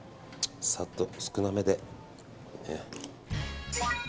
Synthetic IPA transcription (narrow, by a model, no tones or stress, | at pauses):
sat̪ːosɨ̥kɯ̟name̞d̪e | e